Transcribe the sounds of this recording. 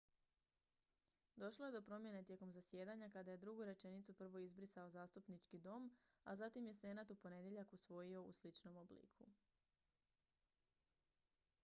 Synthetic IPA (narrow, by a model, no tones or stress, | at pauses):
d̪o̞ʃlˠoje̞d̪o̞pɾo̞mje̞ne̞t̪je̞ko̞mzasje̞ːd̪aɲakad̪aje̞d̪ɾuɡuɾe̞t͡ʃe̞nit̪supr̩ʋo̞izbɾisaozaːst̪upnit͡ʃkid̪o̞m | a̰zat̪imje̞se̞nat̪upo̞ne̞d̪je̞ʎakusʋo̞jio̞ṵslit͡ʃno̞mo̞blḭkʰu